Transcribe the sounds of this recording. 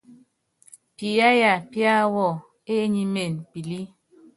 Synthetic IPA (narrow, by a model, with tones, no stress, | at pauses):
pi˨ja˦ja˨pja˦wɔ˦˨ | e˦ɲi˦me˨npi˨li˦